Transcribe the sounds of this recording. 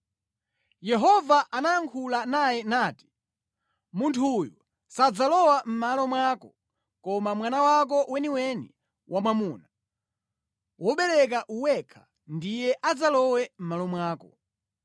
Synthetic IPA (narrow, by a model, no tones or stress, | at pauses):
jɛɦɔvaʔanajaŋkʰulanajɛnaːti̥ | muntʰuːjɔ | sad͡zalɔwam̩malɔmwakɔ | kɔmamwanawak̬ɔwɛniwɛni | wʔamwamuːna | wɔɓɛɾɛk̬aʔuwɛkʰḁ | ndijɛʔad͡zalɔwɛm̩malɔmwaːkɔ